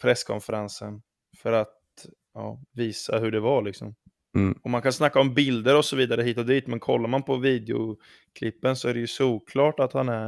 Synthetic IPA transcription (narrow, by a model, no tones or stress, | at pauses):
pʰɾɛsːkʰɔ̰nfəɾansən | fœɾat̪̚ | jɑ̰ːviːsaɦɵɖɛvaɭɪksɔ̰m | ɔmːankʰansnakːaɔmbɪld̪əɾɔsɔviːd̪aɾəɦiːt̪ɔd̪iːt̪mɛnkʰɔ̰lːaɾmanpʰɔviːd̪ɛʊ̰ | kʰlɪpːənsɔæɖɛjɵsuːkʰlɑːʈat̪hanæ